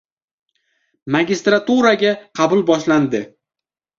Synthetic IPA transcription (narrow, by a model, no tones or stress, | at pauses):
maɡʲist̪ɾat̪uɾaɡʲaqʰɑbʊlˠbɒʃland̪ɪ